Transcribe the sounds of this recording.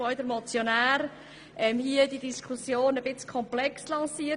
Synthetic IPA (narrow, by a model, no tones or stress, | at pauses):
oɪd̪əɾmɔt͡sjonæːɾ | ʔɛmhiəd̥idiskʰusjoːnəbɪt͡skʰɔmplɛkslɑ̃ːsiːə